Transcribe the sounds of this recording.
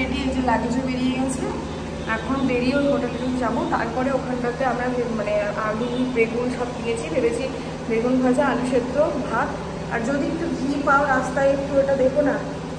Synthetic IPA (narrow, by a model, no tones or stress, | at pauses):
eɖied͡ʑelaɡd͡ʑobeɾijeɡɛt͡ɕʰilo | ɛkʰond̪eɾionoʈakeʈikd͡ʑabot̪a̰ɾpɔɾeokʰanʈat̪eamɾamaneadʱunibeɡunʃab̚d̪iet͡ɕʰibebet͡ɕʰi | beɡunbʱad͡ʑaaliʃet̪ːɾobʱak | a̰ɾd͡ʑod̪iek̚ʈuɡipaoɾast̪ajekʈueʈad̪ebona